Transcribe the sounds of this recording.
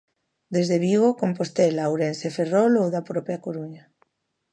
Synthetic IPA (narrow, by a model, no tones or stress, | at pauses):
d̪ezðeβiβokompost̪elawɾenseferɔlowðapɾopeakoɾuɲa